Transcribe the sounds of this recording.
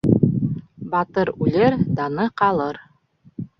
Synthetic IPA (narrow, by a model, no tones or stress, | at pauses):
bɑt̪ɤɾʉlɘɾd̪ɑnɤqɑlˠɤɾ